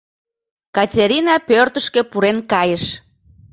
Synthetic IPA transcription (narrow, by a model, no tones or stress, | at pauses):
kɑtʲeɾʲinɑpørt̪əʃkepuɾenkɑjəʃ